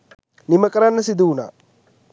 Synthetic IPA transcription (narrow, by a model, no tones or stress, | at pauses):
niməkəɾanːəsid̪uuna̰ː